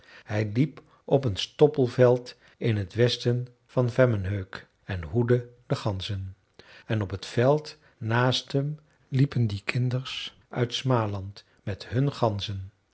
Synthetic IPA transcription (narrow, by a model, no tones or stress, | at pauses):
hɛjlip | ʔɔpənstɔpəlˠvɛlˠt | ʔɪnɦətʋɛstən | v̥ɑnvɛmənɦøɥk | ɛnɦudədəχɑnzən | ɛnɔpətfɛlˠt | naːstɦəm | lipəndikʰɪndəɹs | ʔœ̰ɥtsmaːlɑnt | mɛtɦɵnχɑnzən